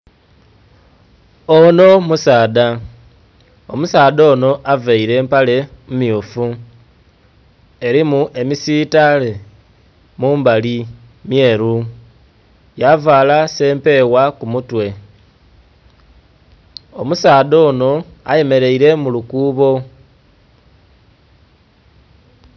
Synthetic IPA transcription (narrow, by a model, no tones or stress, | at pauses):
o̞no̞musaːda | omusaːdo̞no̞ʔaveiɾe̞ːmpale̞mumjofu | e̞ɾimuʔe̞misiːtale | muːmbali | mje̞ːɾu | javaːlase̞ːmpe̞wakumutwe̞ | o̞musaːðo̞ːno̞a̰je̞me̞ɾe̞iɾe̞mulukuːβo̞